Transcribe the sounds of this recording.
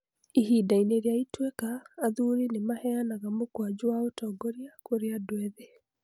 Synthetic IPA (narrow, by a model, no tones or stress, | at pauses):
iɦidaineɾjaitwekaːðuɾinemahɛanaɣamokwad͡ʑuwaotɔːɡɔɾjakoɾeadwɛðe